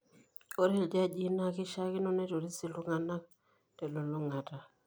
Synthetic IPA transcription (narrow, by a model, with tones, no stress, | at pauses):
o˦ɾi˦ld͡ʒa˦˨d͡ʒi˦na˦kɪ˦ʃa˦kɪ˦nɔ˦nɛ˦to˨ɾi˦si˨lu˦ŋa˨na˦k̚ | tɛ˨lo˨lɔ˦ŋa˨ta˨